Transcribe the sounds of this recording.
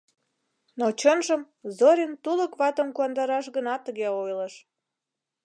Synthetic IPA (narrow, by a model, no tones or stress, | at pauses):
not͡ɕənʒəm | zoɾʲint̪uləkβɑt̪əmkuɑnd̪ɑɾɑʃɣənɑt̪ːəɣeojləʃ